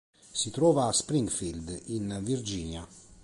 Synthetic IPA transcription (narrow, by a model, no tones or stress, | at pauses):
sit̪ɾɔːvaːspɾiŋɡfild̪invird͡ʒiːnja